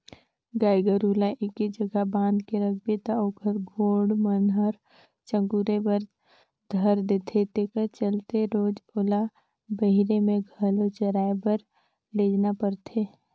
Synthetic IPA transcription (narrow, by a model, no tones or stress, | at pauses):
ɡaːɡəɾulaʔekːid͡ʒəɡabãːnd̪keɾək̚ʰbet̪aoːkəɾɡʱoːɽmənɦəɾ | t͡ʃə̃ŋɡuːɾebəɾ | d̪ʱəɾd̪eːt̪ʰet̪eːkəɾt͡ʃəlt̪eɾoːd͡ʒola | bəɦɪɾemẽɡʱəlot͡ʃəɾaːebəɾ | leːd͡ʒnapəɾt̪ʰeː